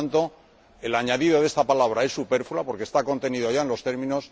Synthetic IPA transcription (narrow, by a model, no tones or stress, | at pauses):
nt̪o̞ | e̞laɲaðiðo̞ðe̞st̪apalaβ̞ɾae̞sːupe̞ɾfulapo̞ɾkest̪ako̞nt̪e̞niðoʝae̞nlo̞st̪e̞ɾmĩno̞s